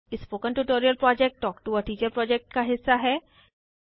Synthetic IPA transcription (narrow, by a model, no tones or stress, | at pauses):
ɪspoːkə̃nʈuːʈoːɾijəlpɾɔːd͡ʒɛk̚ʈʈɔːkʈuəɾʈiːd͡ʒəɾpɾɔːd͡ʒɛk̚ʈkaɦɪsːaɦɛː